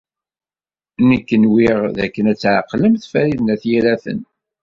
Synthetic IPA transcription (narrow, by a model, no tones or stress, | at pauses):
nikːənwiʁðækːənæt͡sːʕaqːləmθfæɾiðnæθjælæθə̰n